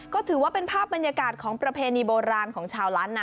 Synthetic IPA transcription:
kɔː˥˩t̪ʰɯː˩˦waː˥˩pe˧npʰaː˥˩p̚ba˧nja˧kaː˨˩t̪̚kʰɔː˩˦ŋpɾa˧pʰeː˧niː˧boː˧ɾaː˧nkʰɔː˩˦ŋt͡ɕʰaː˧wlaː˦˥nːa˦˥

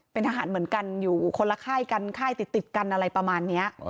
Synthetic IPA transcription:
pe˧nʔ̪ʰa˧ɦaː˩˦nmɯ˩˦ənka˧njuː˨˩kʰo˧nla˧kʰaː˥˩jka˧nkʰaː˥˩jt̪i˨˩t̪ːi˨˩t̪̚ka˧nʔa˧ɾa˧jpɾa˧maː˧nːi˦˥ɐʔ

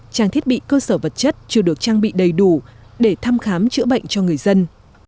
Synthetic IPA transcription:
t͡ɕaː˨˩ŋt̪ʰi˦˥ət̚ɓḭ˧˨kəː˧səː˧˩və˨˩t̚t͡ɕə˦˥t̚t͡ɕɨ˧˩əɗɨ˨˩ək̚t͡ɕaː˧ŋɓḭ˧˨ɗə˨˩jɗu˧˩ɗe˧˩t̪ʰaː˧mxaː˨˦mt͡ɕɨ̰˧˥ɓə̰˧˨jŋ̟t͡ɕɔ˧ŋɨ˨˩əjzə˧n

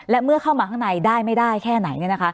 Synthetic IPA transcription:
lɛ˦˥mɯ˥˩ɐkʰa˥˩wmaː˧t̪ʰa˥ŋna˨˧jdaː˥˩jma˥˩jdaː˥˩jkʰɛː˥˩na˩˦jni˥˩na˦˥kʰa˦˥

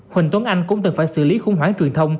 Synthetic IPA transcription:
hwï˨˩ŋ̟t̪wə˨˦nʔa˧jŋ̟kʊ̰˧˥ŋ͡mt̪ɨ˨˩ŋfaː˧˩jsɨ̰˧˩li˨˦xʊ˧ŋ͡mɦwaː˧˦ŋt͡ɕwi˨˩ənt̪ʰə˧wŋ͡m

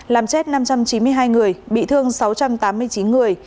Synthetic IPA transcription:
laː˨˩mt͡ɕɛ˦˥t̚na˧mt͡ɕa˧mt͡ɕi˨˦nmɨ˧əjɦaː˧jŋɨ˨˩əjɓḭ˧˨t̪ʰɨ˧əŋsa˨˦wt͡ɕa˧mt̪aː˨˦mːɨ˧əjt͡ɕi˨˦nŋɨ˨˩əj

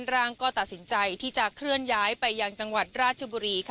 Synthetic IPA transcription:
nɾaː˥˩ŋkɔː˥˩t̪a˨˩t̪̚si˩˦nt͡ɕa˧jt̪ʰiː˥˩t͡ɕa˨˩kʰɾɯ˥˩ənjaː˦˥jpa˧jːaː˧˩ŋt͡ɕa˧ŋwa˨˩t̪̚ɾaː˥˩t̪̚t͡ɕʰa˧buː˧ɾiː˧kʰ

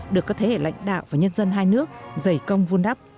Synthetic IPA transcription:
ɗɨ˨˩kːɔ˨˦t̪ʰe˨˦hḛː˧˩la̰˧˥jŋ̟ɗa̰ː˧˨wvaː˨˩ɲə˧nzə˧nɦaː˧jnɨ˦˥ək̚zə˨˩jkə˧wŋ͡mvu˧ənɗa˦˥p̚

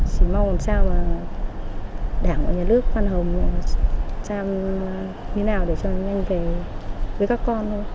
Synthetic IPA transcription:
t͡ɕi˧˩ma˧wŋaː˨˩nsaː˧wmaː˨˩ | ɗaː˧˩ŋʔṵ˧˩ɲaː˨˩lɨ˦˥ək̚kwaː˧nɦə˨˩wŋ͡mṵ˧˨ | t͡ɕaː˧m | ɲi˧˦naː˨˩wɗe˧˩t͡ɕɔ˧˨ɲa˧jŋ̟ke˨˩vəː˨˦jkaː˦˥kːɔ˧nho˧j

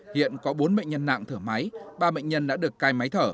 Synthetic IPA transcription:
hḭ˧˨ənkɔ˨˦ɓo˨˦nɓə̰˧˨ɲ̟ɲə˧nːa̰˧˨ŋt̪ʰɨ˧˩ma˨˦jɓaː˧ɓḛ˧˨jɲ̟ɲə˧nɗa̰ː˧˥ɗɨ˨˩əkːaː˧jma˨˦jt̪ʰəː˧˩

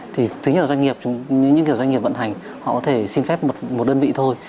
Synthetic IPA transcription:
t̪ʰi˨˩t̪ʰɨ˨˦ɲ˦˥˧za˧ŋŋi˨˩əp̚ɲɨ̰˧˥ŋki˨˩əza˧ŋ̟ŋ˨˩əp̚və̰˧˨nɦa˨˩jŋ̟ | hɔ̰˧˨kɔ˨˦t̪ʰe˧˩si˧nfɛ˦˥p̚mo˨˩t̚mo˨˩t̚ɗəː˧nvḭ˧˨t̪ʰo˧j

